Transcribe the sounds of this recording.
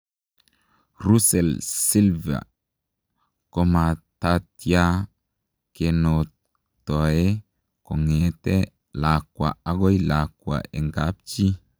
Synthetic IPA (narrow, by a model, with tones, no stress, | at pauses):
ɾu˦sɛ˨lsi˦lva̰˨ | ko˦ma˨ta˦ti˦a˦ | ke˨no˨t | tɔ˨e˦ | ko˨ŋe˨tɛ˦ | la˨kwa̰˨a˦ɡɔ˦jla˨kwa̰˨ʔe˨ŋɡa˨˦p̚t͡ʃi˦